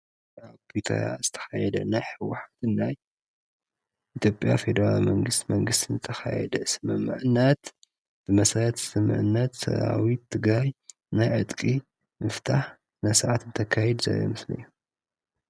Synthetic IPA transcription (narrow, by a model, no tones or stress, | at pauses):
aβkʰut̪ʰɐ̰ɾa̰zɨt̪ʰɐ̥xajɛd̪ɐ̰najħɨwːaħat̪ɨnːaj | ʔit̪ʰjo̞pʼja̰fe̞d̪ɐɾa̰lmɐŋɡɨst̪mɐŋɡɨst̪ʰinzɨt̪ʰɐxa̰jɛ̰d̪ɐsɨmɨmːɨ̰ʕɨnːɐt̪ | b̥ɨmɐsaɾɐt̪sɨmːɨ̰ʕɨnːɐt̪sɐ̰ɾa̰wit̪ʰːɨɡɾaj | najʕɨt̪ʼkʼi | mɨft̪ʰaħ | najsaʕat̪ɨnt̪ʰɐkʰːajɛd̪zɐ̰jo̰mɨslɨ̰jːu